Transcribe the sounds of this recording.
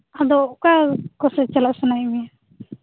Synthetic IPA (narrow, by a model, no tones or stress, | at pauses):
ad̪ɔkakɔsɛt͡ʃalasunajmija